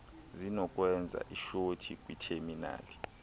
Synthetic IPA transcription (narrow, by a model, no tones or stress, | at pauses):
zinɔkʼwɛnd͡zʱa̰ʔiʃotʰikʼwitʰermina̰ːli